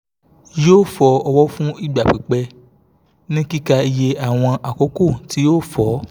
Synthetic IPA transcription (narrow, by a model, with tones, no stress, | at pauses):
joː˦fɔ˧˦ɔ˧wɔ˦fũ˦i˦˨ɡ͡ba˨k͡pi˨k͡pɛ˧ | nĩ˦ki˦ka˧i˧je˧a˦˨w̃ɔ̃˧ʔa˨ko˨˦ko˦˨ti˦joː˦˨fɔ˨˦